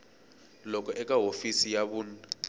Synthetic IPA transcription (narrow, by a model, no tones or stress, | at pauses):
lɔk̬ʰʼɔʔɛk̬ʼaɦofisijaɓuːna